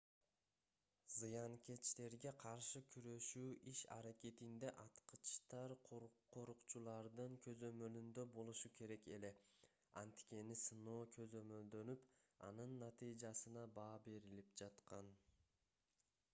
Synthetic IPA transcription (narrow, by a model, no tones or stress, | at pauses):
zɯjɑŋkʲʰe̞t͡ʃt̪e̞ɾɡe̞qʰɑɾʃɯkʲʰyɾø̞ʃyːʔiʃɑ̰ɾakʲe̞t̪ind̪e̞ʔɑt̪qɯ̥t͡ʃt̪ɑɾqʰqʰo̞ɾuqt͡ʃulˠɑɾd̪ɯɴkʰø̞zø̞mø̞lynd̪ø̞bo̞lˠuʃukʰʲe̞ɾe̞ke̞le̞ | ɑ̰nt̪kʲe̞nisɯno̞ːkʰø̞zø̞mø̞ld̪ø̞nypɑ̰nɯnːɑt̪ɨjd͡ʒɑsɯnɑbɑːbe̞ɾilip̚d͡ʒɑt̪qɑn